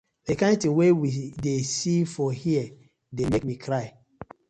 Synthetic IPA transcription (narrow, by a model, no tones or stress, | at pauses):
ðekãɪ̃ntĩŋwewidesifɔhiɛ | demekmikʰɹaɪ